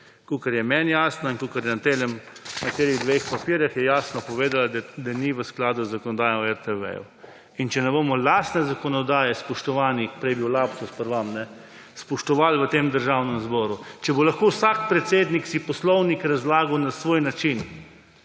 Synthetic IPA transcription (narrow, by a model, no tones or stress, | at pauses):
kukaɾjɛmɛnjaːsnainkukaɾjɛnat̪elɛmnat̪eːliɣd̪ʋexpapiːɾjaxjɛjaːsnɔpɔʋeːd̪alad̪d̪aniʋəsklaːd̪uzːakɔnɔd̪aːjɔmɛɾt̪ɛʋɛ̰jṵ | int͡ʃɛnɛbomɔlaːst̪nɛzakɔnɔd̪aːjɛspɔʃt̪ɔʋaːnipɾɛjbiwlaːpsuspəɾʋamnɛ | spɔʃt̪ɔʋalʋət̪eːmd̪əɾʒaːwnɛmzbɔːɾut͡ʃɛbolaxkowsaːk̚pɾɛt̪seːd̪niksipɔslɔwnikɾazlaːɡawnasʋoːjnat͡ʃin